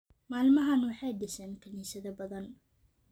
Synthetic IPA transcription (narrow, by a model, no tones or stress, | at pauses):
maːlmɐɦɐnwɑħɑjɖɪsɛːnkʰɐniːsɐðɐbɐðɐn